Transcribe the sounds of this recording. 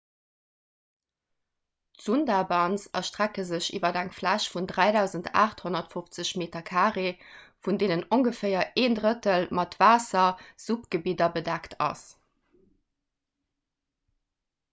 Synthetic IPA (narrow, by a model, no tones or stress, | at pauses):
tz̥undabɑnt͡sɐʃtʁ̥ækəzəɕḭːvɐdæŋflæʃfundʁæɪdæʊzəntʰa̰ːχthonɐtfoft͡səɕmeːtɐkʰaːʁefundeːnənoŋɡəfəɪɐeːndʁətəlmɑtvaːsɐz̥upɡ̥əbidɐbədæktʰɑ̰s